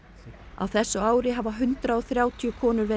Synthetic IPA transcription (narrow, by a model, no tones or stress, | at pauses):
a̰wθɛsːʏaːwɾɪɦavaɦʏnt̪ɾaɔθɾjaːwt̪ʰijʏkʰɔːnʏɾve